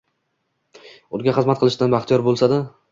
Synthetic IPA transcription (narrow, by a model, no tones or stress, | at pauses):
ʊd̪ɡʲaχɨzmat̪̚qʰɨlˠɪʃd̪anbaχt̪ʰɪjɒɾbolˠsad̪ɪ